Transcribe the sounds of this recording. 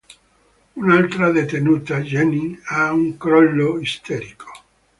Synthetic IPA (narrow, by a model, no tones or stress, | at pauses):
unalt̪ɾad̪et̪enuːt̪ad͡ʒɛniauŋkɾɔlːoist̪ɛɾikʰo̥